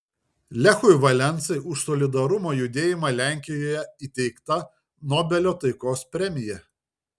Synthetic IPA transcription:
lʲɛxʊjʋɐlʲɛnt̪sɐɪʊʃsɔlʲɪd̪ɐɾʊmoːjʊd̪ʲeːjɪmɑːˑlʲæˑŋʲkʲɪjoːjɛit̪ʲɛɪkt̪ɐ | nɔbʲɛlʲoːt̪ɐɪkoːspʲɾʲɛmʲɪjɛ

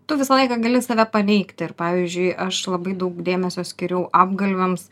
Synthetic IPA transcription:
t̪ʊʋʲɪsɐlˠɐɪkɑɡɐlʲɪsɐʋʲæpɐnʲɛɪkt̪ʲɪɾpɑːʋʲiːzʲd͡ʒʲʊɪʔɐʃlˠɐbɐɪd̪ɐʊkd̪ʲeːmʲɛsʲoːsʲkʲɪɾʲɛʊʔɑːbɡɐlʲʋʲɛms

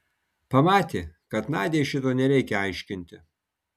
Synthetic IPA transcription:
pɐmɑːt̪ʲeːkɐt̪nɑːd̪ʲeːʃʲɪt̪oːnʲɛɾʲɛɪkʲɛɑɪʃʲkʲɪnʲt̪ʲɪ

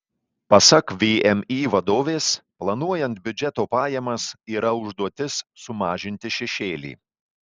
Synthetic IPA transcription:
pɐsɐkʋʲiɛmiːʋɐd̪oːʋʲeːsplˠɐnuɔjɛnt̪̚bʲʊd͡ʒʲɛt̪oːpɑːjɛmɐsiːɾɐʊʒd̪uɔt̪ʲɪsːʊmɑːʒʲɪnʲt̪ʲɪʃʲɛʃʲeːlʲḭː

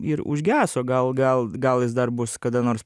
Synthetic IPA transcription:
ɪɾʊ̰ʒʲɡʲæːsoːɡɐlˠɡɐlˠɡɐlˠjɪsd̪ɐrbʊskɐd̪ɐnoːrs

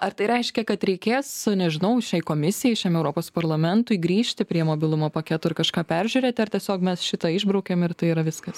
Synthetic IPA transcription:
ɐɾt̪ɐɪɾʲɛɪʃʲkʲɛkɐt̪ɾʲɛɪkʲeːsnʲɛʒʲɪnɐʊʃʲɛɪkoːmʲɪsʲɪjɛɪʃʲɛmɛʊɾoːpoːspɐɾlˠɐmʲɛnt̪ʊɪɡɾʲiːʃʲt̪ʲɪpʲɾʲiɛmoːbʲɪlˠʊmoːpɐkʲæːt̪oːɪɾkɐʃkɑːpʲæɾʲʒʲʊɾʲeːt̪ʲɪɐɾt̪ʲiɛsʲoːkmʲɛsʃʲɪt̪ɐɪʒbɾɐʊkʲeːmɪɾt̪ɐɪiɾɐʋʲɪskɐs

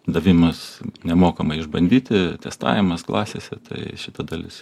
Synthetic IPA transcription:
d̪ɐʋʲɪmɐsnʲɛmoːkɐmɐɪɪʒbɐnʲd̪ʲiːt̪ʲɪt̪ʲɛst̪ɑ̰ːʋʲɪmɐsklˠɑ̰ːsʲeːsʲɛt̪ʰɐ̰ɪʃʲɪt̪ɐd̪ɐlʲɪs

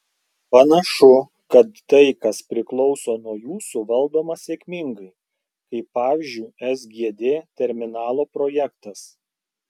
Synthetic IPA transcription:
pɐnɐʃʊ | kɐt̪ːɐɪkɐspʲɾʲɪklˠɒʊsoːnuɔjuːsuʋɐlˠd̪oːmɐsʲeːkʲmʲɪŋɡɐɪ | kɐɪpːɑːʋʲɪːzʲd͡ʒʲʊɪɛsɡʲiɛd̪ʲeːt̪ʲɛɾʲmʲɪnɑːlˠoːpɾoːjɛkt̪ɐs

